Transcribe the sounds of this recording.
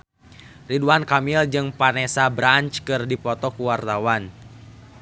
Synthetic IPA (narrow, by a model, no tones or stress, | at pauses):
riduankamild͡ʒɨŋpanɛsabɾant͡ʃkɨrdipɔt̪ɔkuwart̪awan